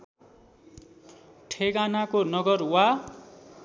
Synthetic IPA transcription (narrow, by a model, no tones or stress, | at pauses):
ʈʰeɡanakonʌɡʌrwa